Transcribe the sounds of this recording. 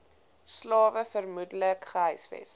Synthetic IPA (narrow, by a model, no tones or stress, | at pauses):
slɑːvəfərmudələkχəɦœjsvɛ̰s